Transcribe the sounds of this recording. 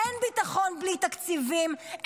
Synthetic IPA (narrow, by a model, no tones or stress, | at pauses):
enbit̪aχonblit̪akt͡sivim